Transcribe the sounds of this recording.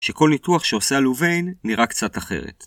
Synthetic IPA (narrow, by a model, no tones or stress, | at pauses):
ʃe̞ko̞lnituaχʃeosaluve̞jnːiʁakt͡sataχe̞̰ʁ̞ḛt